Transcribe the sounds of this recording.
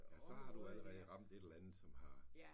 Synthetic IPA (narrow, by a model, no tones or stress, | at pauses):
jæsɒ̽hɑ̈d̥uæləʁɛːð̩ˠʁɑ̈m̰d̥e̝ɾ̥elænð̩ˠsɒ̽mhɑ̈